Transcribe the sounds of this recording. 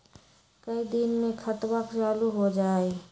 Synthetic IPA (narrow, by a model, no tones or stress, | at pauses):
kəid̪inmẽkʰɐt̪wakt͡ʃaːluɦod͡ʒaːe